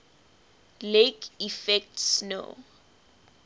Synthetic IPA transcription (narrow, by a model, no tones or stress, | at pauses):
lekʰifɛk̚tsno̰